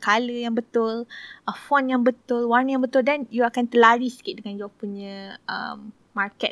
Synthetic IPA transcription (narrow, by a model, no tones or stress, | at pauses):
kaləjaŋbət̪ʊlʔəfɔnjaŋbət̪ʊlwarnəjãŋbət̪ʊldanjuakant̪əlaɾisə̥kɪʔ̚dəŋand͡ʒawapuɲə̃ə̰mː | arkɛ̰